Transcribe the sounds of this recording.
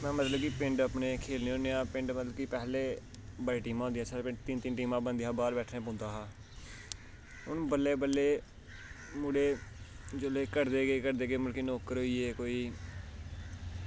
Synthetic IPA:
mɛ̃ːmət̪ləbkipɪ̃ɳɖəpneːkʰeːlneːɦõːneːãːpɪ̃ɳɖmət̪ləbkipɛːleː | bəɽeːʈiːmãːõːnd̪jãːsʰaːɾpɪ̃ɳt̪int̪ɪnʈiːmãːbənd̪iːãːbaːɾbɛːʈʰnẽːpõːnd̪aːɦaː | ʊnbəlːeːbəlːeː | muːɽeː | d͡ʒoːleːkəɾd̪eːɡeːkəɾd̪eːɡeːməlkeːnoːkəɾɦoiːeːkoːiː

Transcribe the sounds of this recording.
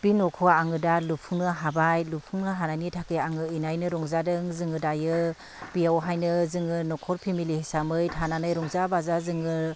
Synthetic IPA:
b̥inɔkʰɔaŋɯdalupʰuŋnɯɦabajlupʰuŋnɯɦananitʰakɯaŋɯinajnɯɾɔŋzadɯŋzɯŋɯdajɯ | b̥ijawɦajnɯzɯŋɯnɔkʰɔɾpʰimilihesamɯjtʰananɯjɾɔŋzabazazɯŋɯ

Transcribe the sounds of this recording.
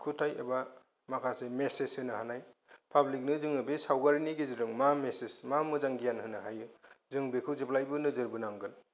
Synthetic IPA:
kʰutʰajeba | makʰasemeseshɯnɯɦanajpʰablik̚nɯzɯŋɯbesawbaɾiniɡeziɾɯŋmamesesmamɯzaŋɡijanhɯnɯɦajɯzɯŋbekʰɯwzeplajbɯnɯzɯɾbɯnamɡɯn

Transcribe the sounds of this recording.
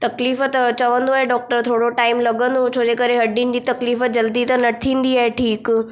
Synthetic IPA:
t̪ɐkliːfət̪t͡ɕɐʋə̃nd̪oaeɖɔːk̚ʈəɾt̪ʰoːɽoʈaːɪmlɐɡə̃nd̪ot͡ɕʰoːd͡ʑekəɾeɦɐɖinɪ̆d͡ʑit̪ɐkliːfəd͡ʑɐld̪it̪ɐnɐt̪ʰĩːnd̪iaːɦeʈʰiːk

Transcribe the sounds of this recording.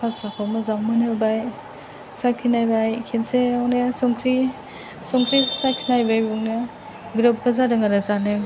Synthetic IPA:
pʰasakʰamazaŋmɯnɯbaj | sakʰinajbajkʰenseawnesɔŋkʰɾi | sɔŋkʰɾisakʰinajbajbuŋne | ɡɾɯp̚bazadaŋaɾazanɯ

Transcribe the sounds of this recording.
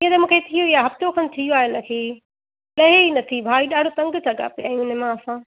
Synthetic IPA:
iə̃t̪ɐmũːkʰet̪ʰijoijaɦɐft̪okʰɐnt̪ʰijoaːɦɪnəkʰeː | lɐɦeinɐt̪ʰibʱaːiɗaːɖʱot̪ɐ̃ŋɡsɐɠa̰pjaːĩʊnemãɐsãː

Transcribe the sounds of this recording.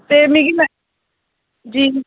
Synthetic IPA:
t̪emiɡimɛ̃ | d͡ʒiː

